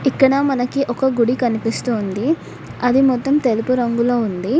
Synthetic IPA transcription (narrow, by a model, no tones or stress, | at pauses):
ikːɐɽɐmɐnɐkiʔɔkɐɡuɽikɐnipist̪uːnd̪i | ɐd̪imɔt̪ːɐmt̪e̞lupuɾɐŋɡulo̞ːund̪i